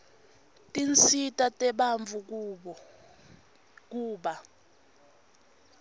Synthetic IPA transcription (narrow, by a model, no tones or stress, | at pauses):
tʼint͡sitʼatʼɛɓaɱvu | k̬ʼuːɓa